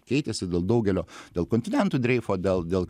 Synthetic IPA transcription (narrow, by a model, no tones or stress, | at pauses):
kʲɛɪt̪ʲɛsʲɪd̪ʲeːlˠd̪ɐʊɡʲɛlʲoːd̪ʲeːlˠkoːnʲt̪ʲɪnʲɛnt̪uːd̪ʲɾʲɛɪfoːd̪ʲeːlˠd̪ʲeːlˠ